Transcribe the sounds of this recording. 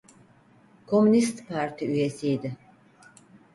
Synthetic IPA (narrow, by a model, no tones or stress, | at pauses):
kʰo̞mynist̪pʰaɾt̪ʰiyje̞sijd̪ɪ